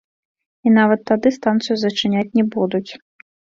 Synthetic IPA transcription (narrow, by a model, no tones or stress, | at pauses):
inavɐt̪ːad̪ɨst̪ant̪sɨjuzɐt͡ʂɨnʲat͡sʲnʲɛbud̪ut͡sʲ